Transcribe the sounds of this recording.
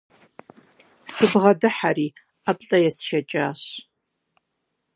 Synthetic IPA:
sɨbʁadɨħari | apʼɬʼɐjasʃat͡ʃʼaːɕ

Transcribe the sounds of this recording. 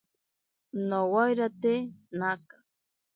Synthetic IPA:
nowajɾat̪enaka

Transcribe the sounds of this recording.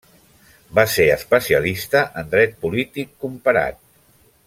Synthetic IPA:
baseəspəsiəlist̪əʔənd̪ɾɛt̪̚pulit̪ikːumpəɾa̰t̪̚

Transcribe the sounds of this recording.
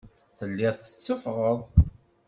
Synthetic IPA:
θəlːɪðˤθə̥t͡sːəfʁəðˤ

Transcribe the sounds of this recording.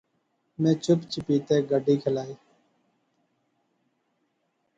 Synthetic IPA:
mẽːt͡ʃʊpt͡ʃɪpiːt̪eːɡəɖʱiːkʰəlaːiː

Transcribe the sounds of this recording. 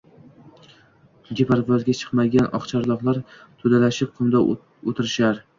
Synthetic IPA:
d̪epʰaɾvɒzɡʲat͡ʃʰɨ̥qmaɡʲanɒ̰χt͡ʃʰaɾlˠɒqlˠaɾt̪ʰʊd̪alaʃɪp̚qʰʊmd̪a | ot̪ʰɪɾɪʃaɾ

